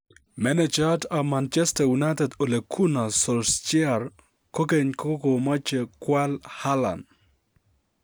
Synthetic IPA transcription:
mɛ˦net͡ʃadamant͡ʃɛ˦stajuna˦jtɛ˨do˨le˨kʰu˦na˨sɔ˨lst͡ʃja˨r | ko˦ke˨ɲko˦ko˨ma˦t͡ʃe˨kwa˦lha˦la̰˨n

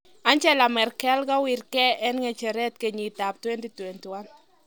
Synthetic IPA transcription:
a˦nt͡ʃɛ˦la˨mɛ˨rkɛ˦lka˦wi˨rkɛ˦ɛ˦nŋe˨t͡ʃɛ˨ɾɛ˦t̪ke˨ɲi˨t̪a˨p̚twe˦ndi˦twe˨ntwa˦n

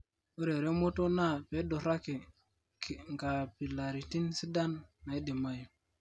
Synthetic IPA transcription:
o˦ɾe˨ɾe˦mo˦to˦na˦˨pe˨˦do˨ɾa˦ki˨ | kŋka˨pi˨la˨ɾi˨ti˦nsi˦da˦nːa˨i˦di˨ma˦j

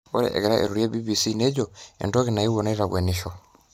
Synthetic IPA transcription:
o˦ɾɛ̰˨ʔɛ̰˨ɣɛ˨ɾa˦ʔḛ˨ɾuɾja˦bi˦bisine˦d͡ʒɔḛndo˦ɣena˨i˦wɔ˨na˦i˦ɾaβwa˨niʃɔ

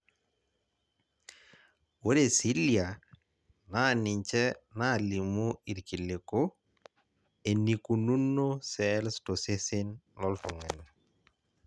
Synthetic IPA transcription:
wo˦ɾe˦˨si˦lja˨ | na˦˨nɪ˨ɲt͡ʃɛ˦na˦˨li˨mu˦i˨ɾki˨lɪ˨ko˦ | e˨ni˨ku˨nu˦nːo˦sɛ˦lsto˨se˦sɪ˦nlɔ˦ltʊ˨ŋɛ˨n

